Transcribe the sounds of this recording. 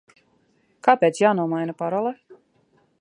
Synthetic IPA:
kaːpʲeːt̪sjaːnuɔmajnapaɾɔlˠɛ

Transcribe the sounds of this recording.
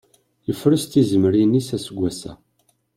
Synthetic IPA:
jəfːɾəst̪izəməɾinisæsəɡʷːæsæ̰

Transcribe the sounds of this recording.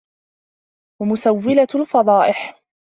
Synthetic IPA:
wamʊsawːɪlalfɑd̪ˤɑːʔɪħ

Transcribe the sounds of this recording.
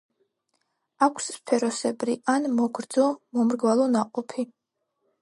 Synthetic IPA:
akʷʰsːpʰɛɾɔsɛbɾiʔanmɔɡɾd̪zɔmɔmɾɡvalˠɔnaqʼɔpʰi

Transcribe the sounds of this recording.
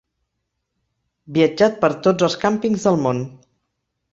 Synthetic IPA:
biəd͡ʒat̪̚pəɾt̪od͡zəlˠskampiŋzðəlˠmon

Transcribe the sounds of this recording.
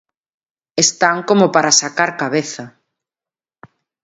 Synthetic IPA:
est̪aŋkomopaɾasakaɾkaβ̞eθa

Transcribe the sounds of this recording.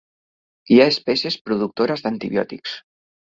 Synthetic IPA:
iaespɛsjespɾuðuk̚t̪oɾazd̪ant̪iβjɔ̰t̪iks

